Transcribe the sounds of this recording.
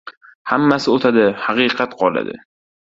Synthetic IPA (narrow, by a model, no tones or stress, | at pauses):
hamːasɪot̪ʰad̪ɪhɑqɨqʰɑt̪qʰɒla̰d̪ɪ̰